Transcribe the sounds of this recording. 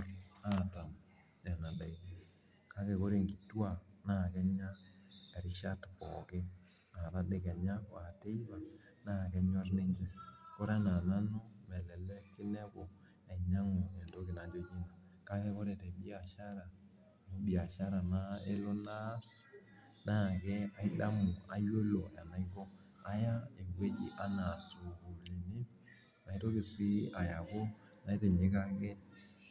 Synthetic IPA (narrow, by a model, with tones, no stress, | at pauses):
ra˦˨ta˨m | ɛ˨na˨da˨i˦ | ka˦kɛ˨ko˦ɾe˨ŋɡi˨twa˨na˦˨kɛ˦ɲa˦ɛ˨ɾɪ˦ʃa˦tpɔ˨kɪ˦ | a˨ɾa˦dɪ˨kɛ˨ɲa˦˨a˨te˦i˦ba˨ | na˦˨kɛ˦ɲɔ˦rne˦ɲd͡ʒɛ˨ko˦ɾa˦na˨na˦no˦mɛ˨lɛ˨lɛ˦kɪ˦nɛ˦ko˨ | ɛ˨ɲa˦ŋɔ˨ɛ˨ndo˦kɪ˨na˨ɲd͡ʒo˦ɲi˦na˨ | ka˦kɛ˦kɔ˦ɾɛ˨tɛ˨ɓi˦a˨ʃa˦ɾa˨ | mo˦ɓi˨a˨ʃa˦ɾa˨na˦e˦lo˦na˦s | na˦˨kɛ˦a˦i˦ɗa˦mɔ˨a̰˨˦jo˦lo˨a˨na˨i˦kɔ˦ | a˦ja˦e˨ɡwe˦d͡ʒḭ˦ʔa˨na˨so˨ɡu˨li˨ni˦ | na˨i˦to˦ki˨si˦a˨ja˨ko˦ | na˨˦i˦tɛ˨ɲi˨˦ka˦kɛ˦